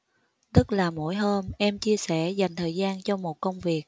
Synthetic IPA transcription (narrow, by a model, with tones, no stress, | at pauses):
t̪ɨ˦˥t̚laː˨˩mo̰˧˥jɦəː˧mʔɛ˧mt͡ɕi˧əsɛ˧˩za˨˩jŋ̟t̪ʰəː˨˩jzaː˧nt͡ɕɔ˧mo˨˩t̚kə˧wŋ͡mvi˨˩ək̚